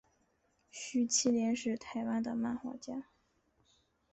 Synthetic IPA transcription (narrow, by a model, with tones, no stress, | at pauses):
ɕy˥t͡ɕʰi˥ljɛ˧˥nʂɻ̩˥˩t̪ʰa˧˥ɪwa˥nd̪ə˨ma˥˩nxwa̰˧˥t͡ɕja˥